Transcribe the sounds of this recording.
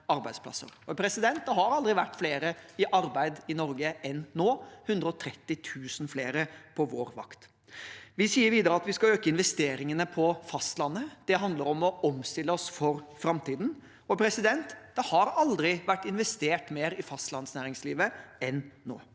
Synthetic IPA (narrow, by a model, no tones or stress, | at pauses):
ɑɾbæɪd̪spʰlɑ̰sə̰ɾɔpʰɾɛsɪd̪ɛnt̪̚d̪ɛɦɑɾɑld̪ɾɪʋæʈːfleːɾəɪʔɑɾbæɪd̪ɪnɔɾɡəʔɛnːoːhʉnd̪ɾəɔt̪ʰɾɛt̪ːɪt̪ʰʉːsn̩fleːɾəpʰɔʋoːɾʋɑ̰kt̪ | ʋɪsiːəɾʋiːd̪əɾəɑt̪ʋɪskɑøːkəɪnʋɛst̪eːɾɪŋənəpʰɔfɑst̪lɑnːəd̪̥ɛɦɑnd̪ləɾɔmɔɔmst̪ɪlːəɔsfɔɾfɾɑmt̪iːd̪n̩ | ɔpʰɾɛsɪd̪ɛnt̪d̪̥ɛhɑɾɑld̪ɾɪʋæʈːɪnʋɛst̪eːʈmeːɾɪfɑst̪lɑnsnæːɾɪŋsliːʋəɛnːo̰ː